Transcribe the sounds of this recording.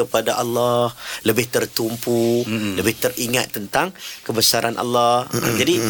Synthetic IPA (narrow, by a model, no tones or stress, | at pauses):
kəpadaʔalːahləbɪht̪ərt̪umpuləbɪht̪əriŋat̪ːənt̪aŋkəbəsaɾʔa̰nʔa̰lːahd͡ʒadi